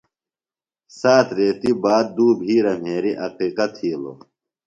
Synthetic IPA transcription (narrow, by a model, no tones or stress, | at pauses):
saːt̪ʰɾeːt̪ibaːd̪̚d̪uːbʱiːɾɐmeːɾiʔɐqiːqɐt̪ʰiːlo̰ː